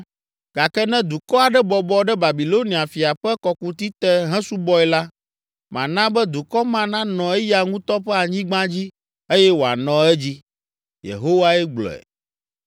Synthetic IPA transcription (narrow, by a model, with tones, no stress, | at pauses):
ɡ̥a˨kɛ˦nɛ̃˦d̪u˨kɔ˦a˨ɖɛ˦bɔ˨bɔ˦ɖɛ˦ba˨bi˨lo˦nĩ˨a˨fi˨a˨ɸɛ˦kɔ˨ku˦t̪i˦t̪ɛ˦ɦɛ̃˦su˦bɔ˦ɛ˨la˦ | mã˨nã˦bɛ˦d̪u˨kɔ˦mã˦nã˦nɔ̃˨ɛ˦ja˨ŋũ˦t̪ɔ˦ɸɛ˦a˨ɲĩ˦ɡ͡bã˦d͡ʑi˦ | e˦jɛ˦wo˨a̰˨nɔ̃˨ɛ˦d͡ʑi˦ | jḛ˨ɦo˦wa˦ɛ˦ɡ͡blɔ̰˨ɛ̰˨